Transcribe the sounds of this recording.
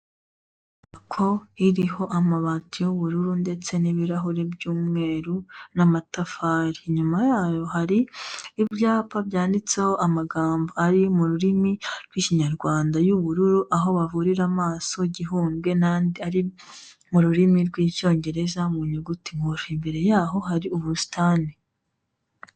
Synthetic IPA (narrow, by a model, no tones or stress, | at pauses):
kʰo̞iɾiho̞ʔamaβaːtijoβuɾuɾunde̞t͡se̞niβiɾaɦoɾe̞bjuːmŋe̞ːɾunamatafaːɾiɲumajaːjo̞haɾiːbjaːpabjaːndit͡se̞ho̞ʔamaɡaːmboaɾimuɾuɾimiɾɡwiːciɲaɾɡwaːndajuβuɾuɾuʔaɦo̞βavuɾiɾamaːso̞ɟiɦuːmɡe̞naːndiaɾi | muɾuɾimiɾɡwiːco̞ːɲɟe̞ɾe̞zamuɲuɡutimuɾimbe̞ɾe̞jaːɦo̞ɦaɾiuβusi̥tʰaːni